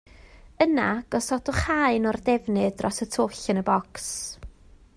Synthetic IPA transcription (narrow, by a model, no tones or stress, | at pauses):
ənaɡ̥ɔsɔdɔχaɨnɔrdɛvnɨdrɔsətʰʊɬənəbɔks